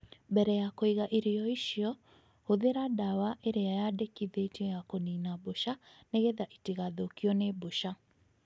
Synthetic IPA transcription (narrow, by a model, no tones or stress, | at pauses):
bɛɾɛjakoiɣaʔiɾijɔiʃiɔ | hoðeɾadawaʔeɾeajadekiðetiɔjakoniːnaboʃa | neɣeðaʔitiɣaðokiɔneboʃa